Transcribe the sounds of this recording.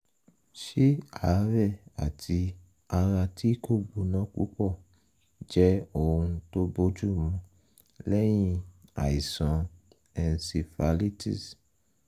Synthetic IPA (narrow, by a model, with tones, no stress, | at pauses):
ʃi˦a˨˦ɾɛ˦˨a̰˨tʰi˧ | a˧ɾa˧tʰi˦ko˦˨bu˨˦nã˦k͡pṵ˦k͡pɔ˦˨ | d͡ʒɛ˦o˦˨wũ˧to˦bo˦d͡ʒu˦mũ˧ | lɛ˦j̃ĩ˧a̰˨i˨sã˨˦ | ɛ˨n˨si˧fa˧li˦tʰḭ˦˨s